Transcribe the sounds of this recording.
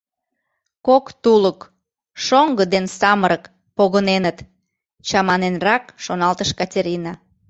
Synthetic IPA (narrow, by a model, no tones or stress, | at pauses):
kokt̪ulək | ʃoŋɡəd̪ensɑməɾək | poɣənenət̪ | t͡ɕɑmɑnenrɑkʃonɑlt̪əʃkɑtʲeɾʲinɑ